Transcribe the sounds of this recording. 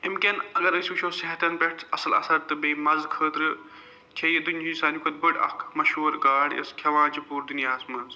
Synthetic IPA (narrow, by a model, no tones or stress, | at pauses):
imkʲɐnɐɡɐɾəsʲʋiʃʰoːseɦɐt̪ɐnpeʈɐ̰sɐlɐ̰sɐɾt̪ɨbeːmɐzkʰəːt̪ɾɨ | t͡ʃʰɐjed̪unʲd͡ʒinsaːnjukɐt̪̚bɨʈɐ̰kʰmɐʃoːɾɡaːɽjɐ̰skʲʰɐʋãːt͡ʃipuːɾd̪injaːsmɐnz